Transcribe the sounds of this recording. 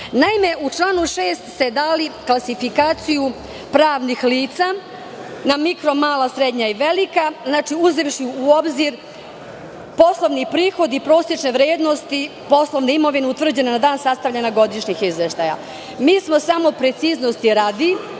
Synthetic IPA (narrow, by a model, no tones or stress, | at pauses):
naime̞ʔut͡ʃlˠaːnuʃeːst̪se̞d̪aːliklˠasifikaːt̪siju | pɾaːʋnixliːt̪sa | namikɾo̞maːlˠasɾe̞d̪ɲaiʋe̞likaznaːt͡ʃiuziʋʃiuo̞bziɾ | po̞slˠo̞ʋnipɾiːxo̞d̪ipɾo̞ːsje̞t͡ʃneʋɾjeːd̪no̞st̪i | po̞slˠo̞ʋneimo̞ʋineut̪ʋvr̩d͡ʑe̞nenad̪aːnsast̪aʋlʎanaɡo̞d̪iʃɲixizʋeʃt̪aja̰ | miːsmo̞samo̞pɾe̞t̪siznost̪iɾaːd̪i